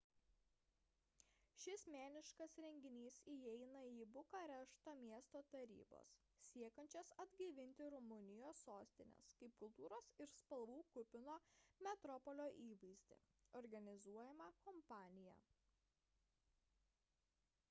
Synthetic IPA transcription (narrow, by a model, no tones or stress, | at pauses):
ʃʲɪsmʲæːnʲɪʃkɐsɾʲɛŋʲɡʲɪnʲiːsijɛɪnɐiːbʊkɐɾʲɛʃt̪ɐmʲiɛst̪oːt̪ɐɾʲḭːbo̰ːs | sʲiɛkɐnʲt͡ʃʲɛsɐd̪ʲɡʲiʋʲɪnʲt̪ʲɪɾʊmʊnʲɪjoːsːoːsʲt̪ʲɪnʲɛ̰skɐɪp̚kʊlˠt̪uːɾoːsɪɾspɐlˠʋuːkʊpʲɪnoːmʲɛt̪ɾɔpɔlʲoːʔiːʋɐɪzʲd̪ʲḛɔɾɡɐnʲɪzuɔjɛmɐkɔmpɑːnʲɪjɛ̰